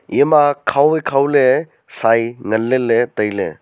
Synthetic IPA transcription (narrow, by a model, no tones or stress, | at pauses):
jemakʰawekʰawle | sajŋəlːelet̪əjlɛ̰